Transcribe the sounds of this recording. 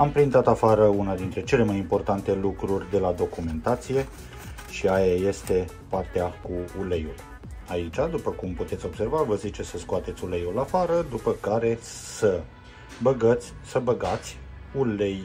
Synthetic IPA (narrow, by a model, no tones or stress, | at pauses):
ampɾint̪at̪afaɾəunad̪int̪ɾe̞t͡ʃe̞le̞majimpo̞rt̪ant̪e̞lukɾurʲd̪e̞lad̪o̞kume̞nt̪at̪sije̞ | ʃiajaje̞st̪e̞ | part̪eakuulejul | ait͡ʃad̪upəkumput̪et̪sʲo̞bse̞rvavəzit͡ʃesəskoat̪e̞t̪sʲulejulafaɾəd̪upəkaɾe̞sə | bəɡət̪sʲsəbəɡat̪sʲ | ulej